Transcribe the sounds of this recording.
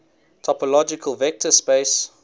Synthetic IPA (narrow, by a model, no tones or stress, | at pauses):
tʰɔpəlɔd͡ʒɪkʰəlˠvɛk̚tʰəspeɪs